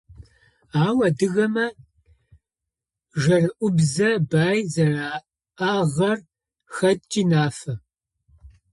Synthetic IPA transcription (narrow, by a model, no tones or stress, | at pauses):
aːwɐdɨɣɐmɐ | ʒɐrɨʔʷʊbzɐbaːjzɐraː | aːʁɐr | xɐd̚t͡ʃʼiːnaːfɐ